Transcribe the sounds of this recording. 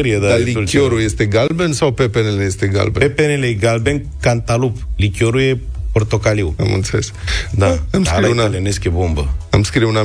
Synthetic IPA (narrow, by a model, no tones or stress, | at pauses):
ɾijed̪aliuloɾujest̪e̞ɡalbensawpepenelejest̪e̞ɡa̰lbepepeneleɡalben | kant̪aluplikʲoɾujeport̪o̞kaliwa̰mṵlt̪sulesk̚d̪aamskaɾiunaeleneskʲebombəamskɾiuna